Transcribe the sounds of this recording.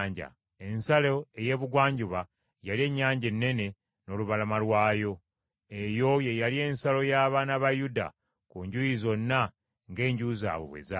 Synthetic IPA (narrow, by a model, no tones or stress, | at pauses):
ɲɟa̰ | e̞nsaloe̞je̞ːβuɡwaːɲɟuβa | jalie̞ɲːaːɲɟe̞nːe̞ne̞ | no̞ːluβalamalwaːjo̞ | e̞jo̞je̞jalie̞ːnsalo̞jaːβanaβajuda̰ | kuːɲɟujizo̞nːa | ŋɡe̞ːɲɟuza̰ːβo̰βwḛza